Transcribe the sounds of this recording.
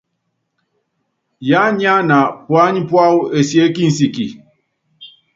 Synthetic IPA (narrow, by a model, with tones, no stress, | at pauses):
ja˦ɲ˦a˦na˨pwa˦ɲi˦pwa˦u˦e˨se˦ki˦n̩˨si˨ki˨